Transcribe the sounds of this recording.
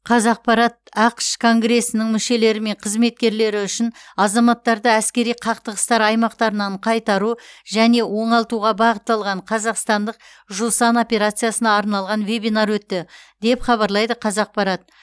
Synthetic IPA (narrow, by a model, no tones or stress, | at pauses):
qʰɑzɑq̚pɑɾɑt̪̚ɑqʃkʰo̞ŋɡɾe̞sːɪnɪŋmʏʃe̞le̞ɾɪme̞ɴqʰəzme̞t̪̚kʲe̞ɾle̞ɾɪʏʃɪnɑzɑmɑt̪ːɑɾd̪əæskʲe̞ɾijqʰɑq̚t̪əʁəst̪ɑɾɑjmɑqt̪ɑɾənɑɴqʰɑjt̪ɑɾuʒæne̞wo̞ɴɑlˠt̪uʁɑbɑʁət̪ːɑlˠʁɑɴqʰɑzɑqst̪ɑnd̪əq̚ | ʒusano̞pʲe̞ɾat̪sɨjasənɑːɾnɑlˠʁɑnve̞bijnaɾwɵt̪ːɪd̪̥e̞pχɑβɑɾlˠɑjd̪əqʰɑzɑq̚pɑɾɑt̪̚